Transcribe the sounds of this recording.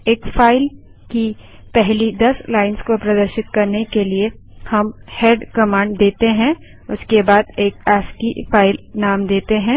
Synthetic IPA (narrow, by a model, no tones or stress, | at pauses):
eːkfaːɪl | kipɛɦlid̪ɐslaːɪnskopɾɐd̪əɾʃɪt̪̚kɐɾnekelie | hɐmheːɖkɐmãːɳɖd̪eːt̪eɦɛ̃ | ʊskebaːd̪eːkaːskifaːɪlnaːmd̪eːt̪eɦɛ̃